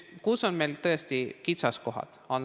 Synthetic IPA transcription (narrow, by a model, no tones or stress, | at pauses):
kuːsɔnmelt̪əjest̪ikit̪sɑskoɦɑ̰t̪ɔn